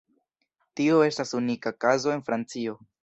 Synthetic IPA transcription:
tio̞e̞stasunikakazo̞e̞nfɾant͡sio̞

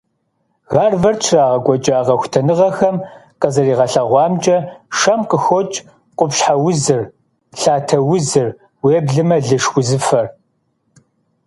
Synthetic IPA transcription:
ɣaːrvɐrt͡ʃʰraːʁɐɡʷɔt͡ʃʼaːʁɐxʷtʰɐnɨʁɐxɐmqɐzɐriːʁɐɬɐʁʷɑːmt͡ʃʼɐʂɐmqʼəxɔt͡ʃʼ | qʷʊpɕħawʊzɨr | ɬaːtʰɐwʊzɨr | weːbɮɨmɐɮɨʂxʷʊzɨfɐr

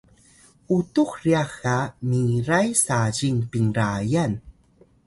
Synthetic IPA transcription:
utuxriaxamiɾajsaʑiŋpiŋɾajan

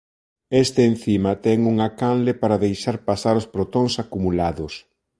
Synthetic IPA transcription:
est̪eːn̟θimɐt̪ɛŋuŋakanlepaɾaðejʃaɾpasaɾospɾot̪oŋsakumulaðʊs

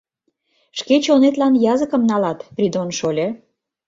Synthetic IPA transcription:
ʃket͡ɕonet̪lɑnjɑzəkə̆mnɑlɑt̪prʲid̪onʃolʲĕ

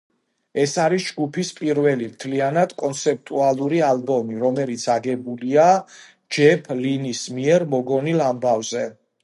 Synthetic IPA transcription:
ɛsaɾisd͡ʒɡupʰispʼiɾvɛlimt̪ʰlianad̪̥kʼɔnt̪sʰɛp̚t̪ʼualˠuɾialbɔmiɾɔmɛlit̪sʰaɡɛbulia | d͡ʒɛpʰlinismiɛɾmɔɡɔnilambavzɛ

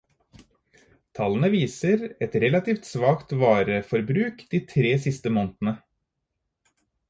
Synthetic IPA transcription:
t̪ʰɑlənəʋiːsəɾɛt̪ɾɛlɑt̪iːft̪sʋɑːkt̪ʋɑːɾəfɔɾbɾʉːkd̪̥iːt̪ʰɾeːsɪst̪əmoːnt̪nə

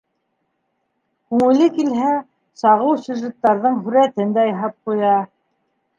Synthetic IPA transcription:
kʉŋɘ̆lɘkilɦæ | sɑʁɤwsʲuʒɘ̆t̪ːɑɾðɤɴɦʉɾæt̪ɘnd̪æjɑɦɑp̚qujɑ

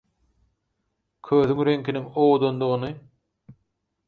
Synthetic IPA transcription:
kʰøːθyŋɾeŋkʰiniŋoːd̪ond̪uʁɯnɯ

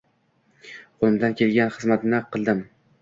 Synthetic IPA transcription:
qʰolˠɪmd̪ankʲʰe̞lɡʲanχɨzmat̪nɪqʰɨlˠd̪ɪm

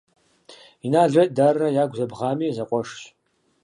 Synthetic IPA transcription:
inaɮɨtʼdarːajaɡʷzabʁamizaqʷʼɔʂʃ

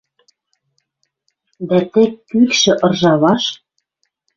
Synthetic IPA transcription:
d̪æt̪ĕkkːykʃɘ̆ʔɤ̆rʒɑβɑʃ

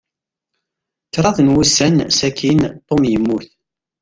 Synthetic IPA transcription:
t͡sːɾˤɑðnwusːænsækʰint̪ˤːomjəmːuθ

